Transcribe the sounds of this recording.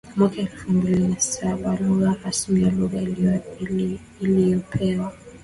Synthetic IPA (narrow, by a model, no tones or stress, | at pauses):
kmwakaɛlfumbilinasaɓaluɣahasmujaluɣa | ilijɔpʰɛwa